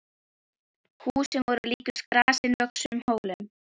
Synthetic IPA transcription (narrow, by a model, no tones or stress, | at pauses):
huːsɛmvɔɾʏliːcʏ̥skɾaːsɪnvœksʏʏmhoːwlɪn